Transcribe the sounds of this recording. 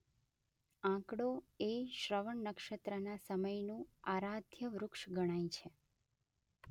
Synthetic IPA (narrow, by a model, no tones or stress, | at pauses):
ãkɽoeʃɾəʋəɳnəkʃət̪ɾənasəməjnũaɾad̪ʱjəʋɾʊkʃɡəɽ̃ajt͡ʃʰe